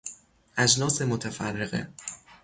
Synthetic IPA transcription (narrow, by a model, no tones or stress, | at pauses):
ʔæd͡ʒnɒːsemot̪ʰæfærːeɣḛ